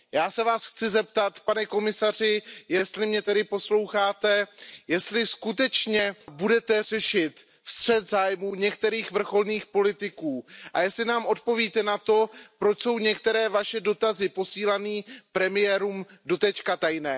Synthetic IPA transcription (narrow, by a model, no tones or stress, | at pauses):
jaːsɛvaːsxt͡sɪzɛp̚t̪at̪panɛko̞mɪsar̝ɪjɛst̪lɪmɲɛt̪ɛdɪpo̞slo̞wxaːt̪ɛjɛst̪lɪskut̪ɛt͡ʃɲɛbudɛt̪ɛrɛʃɪt̪ | st̪r̝̥ɛd̪zaːjmuːɲɛkt̪ɛɾiːxvr̩xo̞lniːxpo̞lɪt̪ɪkuːʔajɛst̪lɪnaːmʔo̞t̪̚po̞viːt̪ɛnat̪o̞pɾo̞t͡ʃso̞wɲɛk̚t̪ɛɾɛːvaʃɛdo̞t̪azɪpo̞siːlaniːpɾɛmɪjɛːɾuːmdo̞t̪ɛt͡ʃkat̪ajnɛː